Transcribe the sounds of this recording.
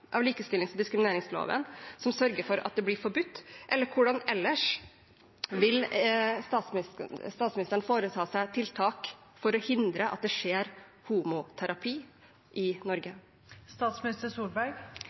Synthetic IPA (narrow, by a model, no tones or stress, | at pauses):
ʔɑ̰ʋliːkəst̪ɪlɪŋsd̪ɪskɾɪmɪneːɾɪŋslo̰ːʋə̰nsɔmsœɾɡəɾfɔɾɑ̰t̪̚d̪ɛblɪːɾfɔɾbʉt̪ːʔɛlːəɾkʰʊɖɑnɛlːəʂ | ʋɪlst̪ɑːt̪sst̪ɑːt̪smɪnɪst̪ɾɳfoːɾət̪ʰɑːsæɪt̪ʰɪlt̪ʰɑːkfɔɾɔhɪnd̪ɾəʔɑt̪̚d̪ɛʂeːɾ | huːmʊt̪ʰæɾɑpʰiː | ʔɪnɔɾɡə | st̪ɑːt̪smɪnɪst̪əsuːlbæɾɡ